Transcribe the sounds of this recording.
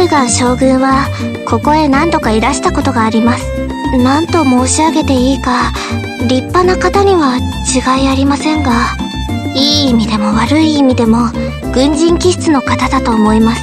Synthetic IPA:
ɯɡaɕo̞ːɡɯ̟̃ɰ̃βa | kʰo̞ko̞e̞nãnd̪o̞kaiɾaɕi̥t̪ako̞t̪o̞ɡaːɾʲimasɨ̥ | nãnt̪o̞mo̞ːɕiaɡe̞t̪e̞iːka | ɾʲipːanakat̪aɲ̟iβat͡ɕiɡaiaɾʲimasẽ̞ŋɡa | iːmʲid̪e̞mo̞βaɾɯ̟iːmʲid̪e̞mo̞ | ɡ̥ɯ̟̃ɲ̟d͡ʑĩŋkʲiɕi̥t͡sɨno̞kat̪ad̪at̪o̞ːmo̞imasɨ̥

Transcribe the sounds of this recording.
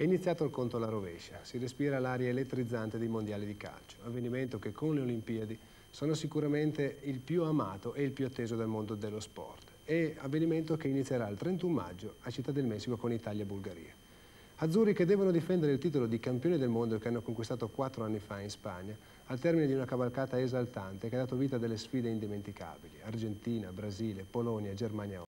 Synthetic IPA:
ɛinit̪sːjaːt̪oalkont̪olaɾovɛ̰ʃːasirespiːɾalaɾjaelet̪ːɾid̪zːant̪ed̪ejmond̪jaːlid̪ika̰lt͡ʃo̥avːeniment̪okekʰːonleolimpiad̪i | soːnosikuɾament̪eilpjuama̰ːt̪oʔeilpjuat̪ːeːzod̪elmond̪od̪elːospɔ̰rt̪ | eavːeniment̪okeinit̪sːjeɾaːlt̪ɾent̪umma̰d͡ʒːoat͡ʃit̪ːad̪ːelmɛsːikokonit̪aljaebulɡaɾḭːa | ad̪zːuːriked̪ːɛvonod̪ifɛnd̪eɾeilt̪iːt̪̬olod̪ikampjoːnid̪elmond̪oekeanːokoŋkwist̪aːt̪okwat̪ːɾoanːifainspa̰ɲːaː | lt̪ɛrmined̪iunakavalkaːt̪aezalt̪ant̪ekead̪aːt̪oviːt̪ad̪elːesfiːd̪eind̪iment̪ika̰biliard͡ʒent̪iːnabɾaziːlepolɔnjad͡ʒermanja

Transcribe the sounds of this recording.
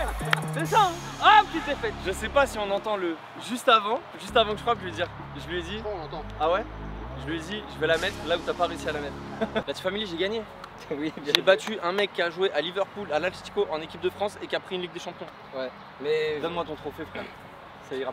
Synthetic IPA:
sɛsaapkʲit̪ɛfɛt̪ʒəsɛpasiɔ̃nɑ̃t̪ɑ̃lə | ʒyst̪avɑ̃ | ʒyst̪avɑ̃kəʒə̥kwapʒəed̪iʁ | ʒəlɥed̪iɔ̃lɑ̃t̪ɑ̃awɛʒəlɥed̪iʒəvɛlamɛt̪χlaut̪yapaʁeysialamɛt̪χlat̪y̥familʒeɡaɲe | wiʒebat̪yʔɛ̃mɛkʲːiaʒuweʔalivœʁpulalɛ̃si̥t̪i̥koʔɑ̃nekʲip̚d̪əfχɑ̃sekʲiapχiynliɡ̚d̪əʃɑ̃pjɔ̃ | wɛ | mɛd̪ɔnmwat̪ɔ̃t̪χofefɛʁ | saiʁa

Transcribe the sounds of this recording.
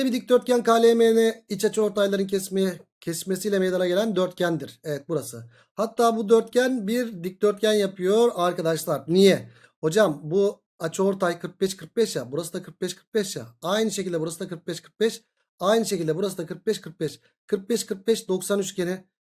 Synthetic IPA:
ebid̪ic̚d̪øɾt̪̚cʰænkaːlʲejmenɛit͡ʃat͡ʃʰɯo̞ɾt̪ajlˠaɾɯncɛsmecʰɛsmesijlʲɛmejd̪anaɟelʲænd̪øɾt̪̚cʰænd̪iɾ̥evɛt̪̚buɾasɯ | hat̪ʰːaːbud̪øɾt̪̚cænbiɾd̪ic̚d̪øɾt̪̚cʰænjapʰɯjo̞ɾaɾkad̪aʃlˠaɾnijɛ | ho̞d͡ʒambu | at͡ʃʰɯo̞ɾt̪ʰajkʰɯɾk̚bɛʃkʰɯɾk̚bɛʃjabuɾasɯd̪akʰɯɾk̚bɛʃkʰɯ̥ɾk̚bɛʃja̰ajnɯʃecilʲd̪ɛbuɾasɯd̪akʰɯɾk̚bɛʃkʰɯɾk̚bɛʃ | ajnɯʃecilʲd̪ɛbuɾasɯd̪akʰɯɾk̚bɛʃkʰɯɾk̚bɛʃ | kʰɯɾk̚bɛʃkʰɯɾk̚bɛʃd̪o̞ksanyt͡ʃcʰenɪ

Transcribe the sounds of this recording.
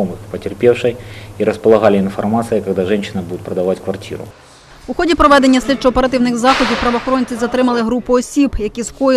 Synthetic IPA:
ɔmɨxpɐtʲerpʲewʂɐjiɾɐspɐlˠɐɣalʲiinfɐrmat̪sɨjɐkɐɣd̪aʐɛnɕɪnɐbud̪ʊtʲpɾɐd̪ɐʋatʲkʋɐrtʲḭɾʊ̰ | uxɔdʲipɾɔʋɛd̪enʲːɐsʲlʲit͡ʃɔːpeɾɐt̪ɪwnɪxzɑxɔdʲiwpɾɐʋɐxɔɾɔnʲt͡sʲizɐt̪ɾɪmɐlˠɪɦɾupʊɔsʲibjɐkʲiskɔ

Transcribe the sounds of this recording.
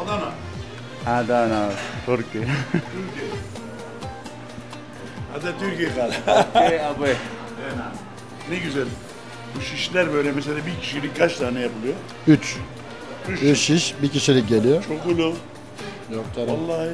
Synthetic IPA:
ad̪ana | had̪anasoɾciyɾɛ | a̰d̪at̪ʰyɾcijɛkaleabe | nɛɟyzælʲ | buʃiʃlʲæɾbøjlʲɛmɛs̬elʲaːbiɾcʰiʃilʲik̚kʰat͡ʃt̪ʰaːnɛjapʰɯlˠɯjo | yt͡ʃ | yyɾʃiʃbikiʃilʲic̚ɟelʲijot͡ʃʰokɡulo | jok̚t̪ʰaɾalˠːah

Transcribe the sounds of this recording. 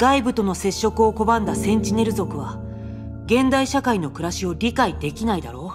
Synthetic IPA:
ɡ̥aibɯ̟t̪o̞no̞se̞ɕːo̞kɯ̟o̞ko̞bãnd̪asẽ̞ɲ̟t͡ɕine̞ɾɯ̟zo̞kɯ̟βa | ɡẽ̞nd̪aiɕakaino̞kɯ̟ɾaɕio̞ɾʲikaid̪e̞kʲinaid̪aɾo̞ː

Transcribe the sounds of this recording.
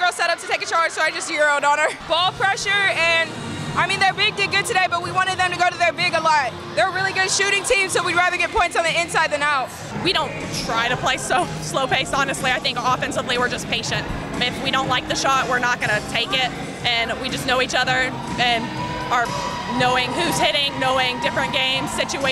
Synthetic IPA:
ɡɜ˞lˠzsɛɾʌp̚tʰɨtʰeɪkɨt͡ʃʰɑɹd͡ʒ̥soʊaɪd͡ʒʌst̚jɪɹoʊɾn̩ə˞b̥ɔlˠpʰɹ̥ɛʃə˞ɨ̃n | ʔaɪmĩnðə˞bɪɡ̚dɪɡʊd̚tʰɨdeɪbʌt̚wiwɑ̃ɾ̃ɨd̪̚ðɨ̃mtʰɨɡoʊɾɨðə˞bɪɡəlɔt̚ | ðə˞ɹɪlˠiɡʊd̥ʃʉɾɪ̃ŋtʰĩmsoʊwiɹæðə˞ɡɛt̚pʰɔ̃ɪ̃ntsn̩ðiɪ̃nsaɪd̪̚ðɨ̃maʊt̚ | wiɾõʊ̃ntʰɹ̥aɪɾɨpʰl̥eɪsoʊ | sloʊpʰeɪstɑnɨstˡliaɪθɪ̃ŋkɑfɛ̃nsəvliwə˞d͡ʒʌspʰeɪʃɨ̃nt̚ | ɪfwiɾõʊ̃nʔlaɪk̚ðɨʃɔt̚wɪɹnət̚ɡ̥ʌnɨtʰeɪkɪt̚ | ɨ̃nwid͡ʒʌsnoʊit͡ʃʌðə˞ | ʔɨ̃n | ə˞ | noʊɪ̃ŋhʉz̥hɪɾɪ̃ŋnoʊɪ̃ŋdɪfɹɨ̃nɡ̥ẽɪ̃mz̥sɪt͡ʃue

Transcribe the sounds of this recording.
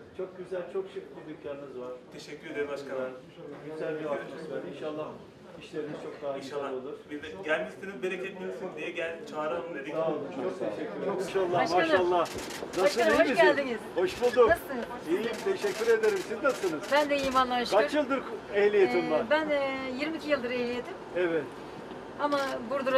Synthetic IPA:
t͡ʃʰo̞k̚ɟyzælʲt͡ʃʰo̞kʃikbʲib̪icʰːʲaɾinizvaɾ̥t̪ʰeʃɛcʲːyɾed̪eɾimbaʃkalˠaɾʰ | oɟyzælʲbiainʃalˠːa | iʃlʲeɾiniz̥t͡ʃʰo̞k̚d̪aːainʃaːolˠuɾ̥biɛɟælʲmissinizbeɾecʰebilʲiɾsind̪ijɛɟælʲt͡ʃʰaːɾaned̪imt͡ʃʰokt̪ʰeʃɛcʲːyɾoʃalˠːamaʃalˠːah | nasɯiiɟʲælʲd̪inizho̞ʃbulˠd̪unasɯ | ijimt̪ʰe̞ʃɛcʰʲːyɾe̞d̪eɾimsiznasɯnɯzbænd̪eijimanˠanɯʃkʰat͡ʃjɯlˠd̪ɯɾkehlʲijet̪ʰimlˠabænjiɾmicʰʲijɯlˠd̪ɯɾehlʲijet̪ʰimɛvɛt̪ | amabuɾd̪uɾ

